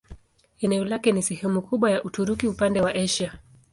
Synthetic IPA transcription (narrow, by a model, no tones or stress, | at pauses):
ɛnɛɔlakɛnisɛhɛmukuɓwajaʔutuɾukiupandɛwaʔɛʃa